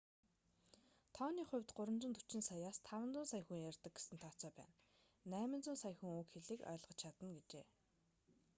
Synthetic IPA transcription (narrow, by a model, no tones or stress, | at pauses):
t̪ʰɔːniːχʊ̟wʲt̪ɢʊɾə̆mt͡ɕɪ̆nt̪ut͡ɕɪ̆nsɔjaːst̪ʰawə̆nt͡sʊːnsajxuːŋjarʲt̪ə̆k̚ɡe̥sɘ̆nt̪ʰɔːt͡sœːpæ̰ːnː | æːmɪ̆nt͡sʊːnsajxŭŋuːkxeɮĕːkœ̰ːɮʁɞ̆t͡ɕt͡ɕʰat̪ə̆nɡet͡ɕeː